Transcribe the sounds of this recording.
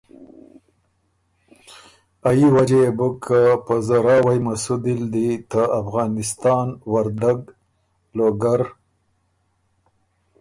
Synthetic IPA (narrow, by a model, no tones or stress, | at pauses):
ajiwad͡ʒeebukʰapəzaɾɑwajmasud̪ild̪it̪aafɣɑnɪst̪ɑːnwaɾd̪aɡ | loɡaɾ